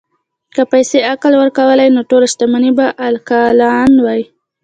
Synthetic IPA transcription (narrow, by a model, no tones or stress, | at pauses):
kəpajseaklwəɾkawəlajnoʈolaʃt̪amanibaʔalkɑlɑnwɑji